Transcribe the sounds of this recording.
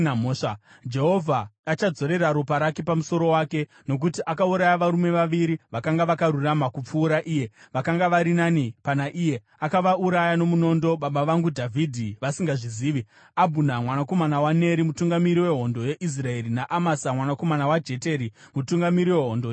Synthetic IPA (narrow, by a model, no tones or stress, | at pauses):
moʂa | d͡ʒe̞ɦo̞vʱaːt͡ʃad͡zo̞ɾe̞ɾaɾupaɾakipamuso̞ɾo̞waːke̞ | no̞k̬utiʔakauɾajaʋaɾume̞ʋaʋiɾiʋakaŋɡaʋakaɾuramakup͡fuːɾaʔiːje̞ʋakaŋɡaʋaɾinanipanaʔiːje̞ | akaʋauɾajano̞muno̞ndo̞ɓaɓaʋaŋɡudʱavʱidʱiʋasiŋɡaʐiziːʋi | abʱunamwanako̞manawane̞ɾimutuŋɡamiɾiwe̞ɦo̞ndo̞je̞ʔis̬rae̞ɾinaʔamasamwanako̞manawad͡ʒe̞te̞ɾi | mutuŋɡamiɾiwe̞ɦondo